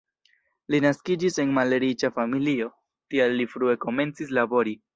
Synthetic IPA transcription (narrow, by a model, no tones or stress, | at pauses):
linaskid͡ʒise̞nmaleɾit͡ʃafamilio̞ | tialːifɾue̞ko̞me̞nt͡sis̬labo̞ɾi